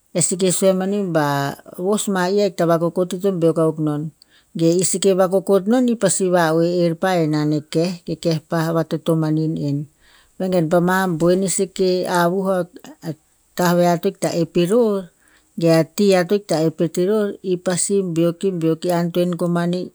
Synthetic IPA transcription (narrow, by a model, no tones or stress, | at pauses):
esik̬esoemanimbaβosmaiajk̚taβakoko̞titombeokawkno̞n | ɡe̞isike̞βakoko̞t̬no̞nipasiβaoeːɾpaenanekehɡe̞ke̞hpaβatoto̞maninen | βeŋɡenp̬amamboenisekeaβuɦa | tahβeatojk̚ta̰ʔepiɾoɾ | ɡeatiato̞jk̚taepetiɾo̞ɾipasimbio̞kimbiokiantoenkomani